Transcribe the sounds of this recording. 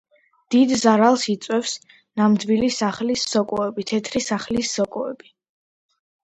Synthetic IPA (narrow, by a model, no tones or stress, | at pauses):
d̪̥id̪zaɾalˠsit̪sʼwɛfs | namd̪vilisaχlisːɔkʼɔɛbit̪ʰɛt̪ʰɾisaχlisːɔkʼɔɛ̰bi